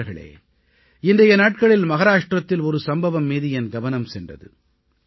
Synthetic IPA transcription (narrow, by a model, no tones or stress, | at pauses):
ɾɣɐɭḛː | ɪndɐjɐnaːʈ̚kɐɭɪlmɐɣɐɾaːʂʈrɐt̪ːɪlɔɾɯsɐmbɐʋɐmːiːðɯɛnɡɐʋɐnɐmsɛndrɐ̰ðɯ̰